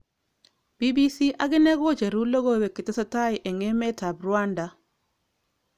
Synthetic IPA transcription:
b̥i˦bi˦si˦ʔa˦ɡɪ˦nɛ˦ɡɔ˦d͡ʒe˨ɾu˦lo˦ɡo˦˨we˨kɪ˨te˦sa˦ta˦ɪ˨ʔe˨ŋe˦mɛ˦ta˨bɾʊ˨a˦nda˨

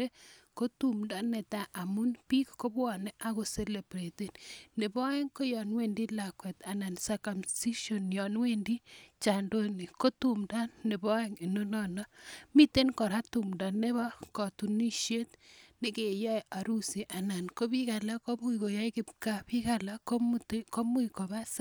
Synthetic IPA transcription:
e˦ko˦tu˦˨mda˦nɛ˨ta˦ʔa˨mu˦npi˦kko˦bɔ˨nɛ˦ʔa˦ko˨se˦le˨bɾe˨te˨dne˨bɔ˦e˦ŋko˦jɔ˨nwe˨ndi˦la˨kwɛ˨ta˨na˨nsa˨ka˨msi˦ʃo˨njɔ˨nwe˦˨ndi˦t͡ʃa˨ndo˦ni˨ko˦tu˦mda˦ne˨bɔ˦e˦ŋi˨no˦nɔ˦na˦mi˦te˦nkɔ˨ɾa˦tu˨mda˨ne˦βa˦kɔ˨tu˨ni˦ʃje˦tnɪ˦ke˨jɔ˦ja˨ɾu˦si˨ʔa˨na˨nko˦bi˦ka˨la˦ko˦mu˦i˨ko˨ja˦jkɪ˦p̚ka˦pi˦ka˨la˦ko˦muteko˦mu˦iko˨βa˦sa˦

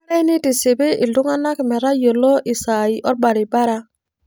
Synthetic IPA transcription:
ɾe˦ni˦ti˨se˨be˦ʔi˨ldu˦ŋa˦na˦kme˨ɾa˦jo˨lo˦ʔi˨sa˨i˨ʔo˦ɾ̚ba˨ɾi˨ba˦ɾa˦

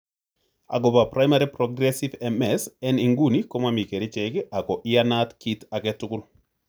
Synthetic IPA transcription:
a̰˨ɡɔ˨bapɾa˦jmaɾi˦pɾɔɡɾɛsivɛmɛsɛ˦ni˨ŋɡu˦niko˦mami˨ke˨ɾi˦t͡ʃɛki˦a˨kɔ˨ʔɪanat̪ki˦ta˨kɛtʊ˦kʊ˦n

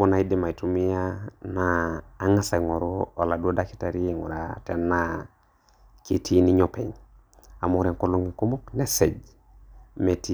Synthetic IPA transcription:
bo˦na˨i˦di˦ma˨i˨tu˦mi˦ja˦naː˨˦ŋa˦sa˨ŋɔ˨ɾo˦o˨la˨du˦o˦da˦ki̥˦ta˨ɾi˦e˨ŋṵ˨ɾa˨tɛ˨nːa˦ | ki˨tʰi˦ni˦ɲɔ˦pɛ˨ɲ | a˨mu˨ɾɛ˨ko˦lu˦ŋi˨ko˦mo˦knɛ˦se˨d͡ʒ | me˨ti˦

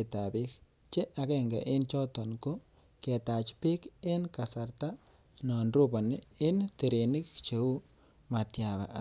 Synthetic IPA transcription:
e˨ta˨bɪ˦k | t͡ʃe˦ʔa˨ke˦ŋɡa̰˨ʔɪ˦nt͡ʃɔ˦tɔ˨nko˦ | ke˨ta˨t͡ʃpi˦kɪ˦nka˨sa˨rta˦ | nɔ˨ndro˦bo˨nɪ˦ɪ˦nte˨ɾe˨ni˦kt͡ʃe˨u˦ | ma˨tja˨βa̰˨˦

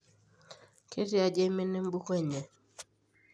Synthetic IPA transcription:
kʰe˦ti˦a˨d͡ʒe˦me˦ne˦m˦bu˦kwɛ˦ɲe˨

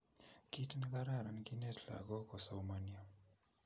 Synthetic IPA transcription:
ki˦tnka˦ɾa˦˨ɾa˨nki˦nɛ˦tʰla̰˨ɡɔ˦kɔ˨sa˨wmania˨

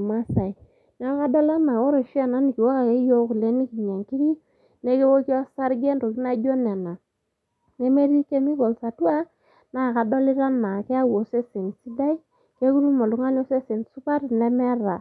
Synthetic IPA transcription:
ma˦sa˨i˨ | na˦ka˦dɔ˦la˦nma˨o˦ɾo˨ʃi˦a˦˨na˦ni˨ki˨wo˦ka˨ke˦jo˦ku˨le˨˦ni˦ki˨ɲa˨ŋki˦ɾi˦ | ne˦ke˦wo˦ki˦ɔ˦sa˦ɾɡe˦nɾo˨ki˦na˦d͡ʒo˦ne˨na˨ | ne˦me˦ɾi˦ke˦mi˦ko˨lsa˨tu˦a˦ | na˨˦˨ka˨do˦li˦ɾa˦nma˨ke˦a˦wo˨se˦se˨nsi˦da˦i˦ | ke˦ku˦ɾu˦ma˨lu˨ŋa˦n˦o˦se˦se˨nsu˦pa˦ɾne˦mɛ˦ɾa˨

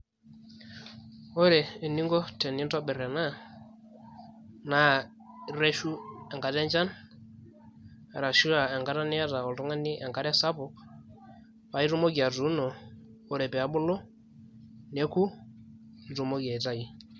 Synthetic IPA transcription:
ɔ˦ɾɛː˨ni˦ŋɡɔ˦tɛ˨ni˦tɔ˦ɓɛ˨ɾɛ˨na˦˨ | na˦˨ | ɾe˦ʃu˦ɛ˨ŋɡa˨ɾɛ˦ɲd͡ʒa˦n | a˨ɾa˨ʃu˦a˨ɛ˨ŋɡa˨˦ɾa˦nɪ˦a˦ta˨ɔ˨ltɔ˦ŋa˦nɪ˦ʔɛ˨ŋka˦ɾɛ˦sa˦pɔ˨k | pa˨˦i˦ɾu˦mo˦ɡi˨a˨tu˨˦nɔː˨˦ɾɛ˨pɛ˨a˦bʊ˦lɔ˦ | ne˦ku˦ | n˨ɾu˨mo˦ɡa˨ta˦i˨

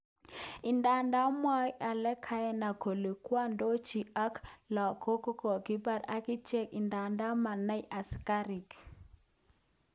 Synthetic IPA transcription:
ɪ˨nda˨nda˦mɔ˦ʔa˨lɛ˦kʰa˦jɛ˦na˨ko˨le˨kwa˦ndo˦t͡ʃi˨a˦klɔ˨ko˦ko˦ko˨ɡɪ˦ba˦˨ɾa˨kɪ˦t͡ʃɛ˦kɪ˨nda˨nda˦ma˨na˦jʔa˨ska˦ɾi˨k

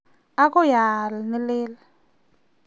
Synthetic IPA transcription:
a˦kʼɔ˦ja˨lɪ˨nɛ˦lɪː˦la

